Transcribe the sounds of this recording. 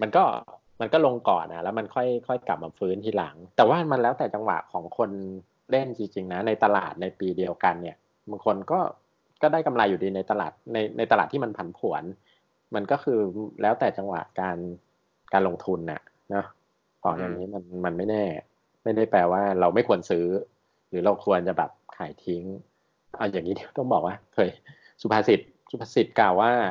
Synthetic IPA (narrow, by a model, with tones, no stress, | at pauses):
ma˧nkɔː˥˩ | ma˧nkɔ˥˩lo˧ŋkɔ̰ː˨˩nʔa̰˨˩lɛː˦˥wma˧nkʰɔ˥˩jkʰɔ˥˩jka˨˩p̚maː˧fɯː˦˥nt̪ʰiː˥˩la̰˩˦ŋt̪ɛː˨˩waː˥˩ma˧nlɛː˦˥wt̪ɛː˨˩t͡ɕa˧ŋwa̰˨˩ʔkʰɔː˩˦ŋkʰo˧n | le˥˩nt͡ɕi˧ŋt͡ɕi˧ŋna˦˥na˧jt̪a˧la̰ː˨˩t̪̚na˧jpiː˧di˧əwka˧nːi˥˩ɐ | ba˧kʰo˧nkɔː˥˩ | kɔː˥˩daː˥˩jka˧mlaː˧jːuː˨˩diː˧na˧jt̪a˧la̰ː˨˩t̪̚na˧jnʔa˧jt̪a˧laː˨˩t̪ʰːiː˥˩ma˧npʰa˩˦npʰu˩˦ən | ma˧nkɔː˥˩kʰɯː˧lɛː˦˥wt̪ɛː˨˩t͡ɕa˧ŋwa̰˨˩ʔkaː˧n | kaː˧nlo˧ŋt̪ʰu˧nʔa̰˨˩ʔ | nɔ˦˥ | kʰɔː˨˩˦ja˨˩ŋːiː˦˥ma˧nma˧nma˥˩jnɛː˥˩ | ma˥˩jda˥˩jpɾɛː˧waː˥˩ɾa˧wma˥˩jkʰu˧ənsɯː˦˥ | ɾɯː˩˦ɾa˧wkʰu˧ənt͡ɕa˨˩bɛ̰ː˨˩p̚kʰaː˩˦jt̪ʰi˦˥ŋ | ʔa˧wjaː˨˩ŋːiː˦˥di˧t̪ɔ˥˩ŋbɔː˨˩k̚waː˥˩k̪ʰɤː˧j | su˨˩pʰaː˧si˨˩t̪̚ | su˨˩pʰaː˧si˨˩t̪̚klaː˨˩wːaː˥˩